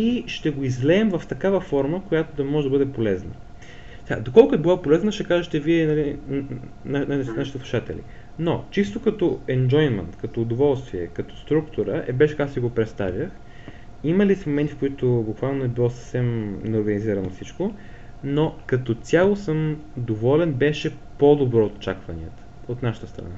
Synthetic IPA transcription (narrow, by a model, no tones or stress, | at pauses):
iʃt̪ɛɡoizlɛːmvɐft̪ɐkavəfɔɾməkojat̪od̪ɐmɔʒɛd̪ɐbɤd̪ɛpolɛznə | sɛɡa̰d̪okɔlˠkʊtɛbilˠapolɛznəʃɛkaʒɛt̪ɛviɛnɐli | nanaʃit̪ːslˠu̥ʃat̪ɛ̰lḭ | not͡ʃist̪okɐt̪ɔɛnd͡ʒɔjnmɛ̰nt̪kɐt̪oːd̪ovɔlˠst̪viɛkɐt̪o̥st̪ɾukt̪ʊɾəʔɛbɛʃɛ̥kaksiɡopɾɛt̪st̪avʲjəx | iməlismomɛnt̪ifkoit̪obukvalˠnoɛbilˠɔsə̥fsɛmnoɾɡɐniziɾɐnofsit͡ʃko | nokɐt̪ɔt̪sʲalˠosəmd̪ovɔlɛnbɛʃɛ | pod̪obɾɔot̪t͡ʃakvɐnḭət̪ə̥ot̪naʃə̥t̪əst̪ɾɐ̰na